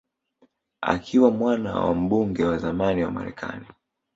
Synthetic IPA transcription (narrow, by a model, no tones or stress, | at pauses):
a̰kʰiwamwana̰wa̰m̩ɓuŋɡɛwazamaniwama̰ɾɛ̰kʰa̰ni